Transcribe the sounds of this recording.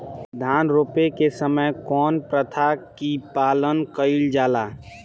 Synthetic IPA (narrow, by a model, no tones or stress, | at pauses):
d̪ʱaːnɾoːpekesəməjkɔːnpɾət̪ʰakipaːlənkəɪld͡ʒaːlaː